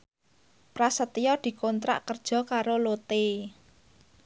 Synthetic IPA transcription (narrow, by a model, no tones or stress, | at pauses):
pɾasət̪ijɔd̪̥i̤kont̪ɾa̰ʔkərd̥ʒ̥ɔ̤kaɾolot̪e